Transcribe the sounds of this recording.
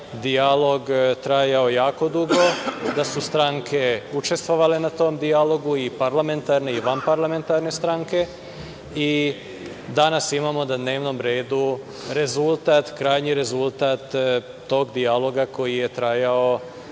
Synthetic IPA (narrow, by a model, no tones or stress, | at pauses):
d̪ijalo̞ɡt̪ɾajao̞jaːko̞d̪uɡod̪asust̪ɾaŋkʰe̞ut͡ʃest̪ʋo̞ʋale̞nat̪o̞md̪ijalo̞ɡuipaɾlame̞nt̪aɾne̞iʋanpaɾlame̞nt̪aɾne̞st̪ɾaŋke̞ | i | d̪anasimamo̞nad̪ne̞ːʋno̞mɾe̞ːd̪u | ɾe̞zulˠt̪at̪kɾaːjɲiɾe̞zult̪aːt̪ː | o̞ːɡd̪ialˠo̞ɡako̞jijet̪ɾajao̞